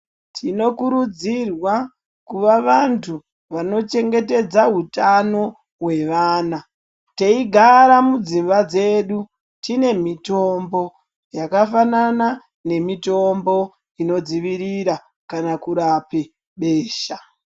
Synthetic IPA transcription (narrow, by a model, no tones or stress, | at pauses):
tʰino̞kuɾud͡zirwa | kuʋaʋantʰu | ʋano̞t͡ʃe̞ŋɡe̞te̞d͡zaɦutano̞ | we̞ʋaːna | te̞iɡʱaɾamud͡zimbad͡ze̞ɗu | tine̞mito̞mbo̞ | jakafanana | ne̞mito̞mbo̞ | ino̞d͡ziʋiɾiɾa | kanakuɾape | ɓe̞ːʃa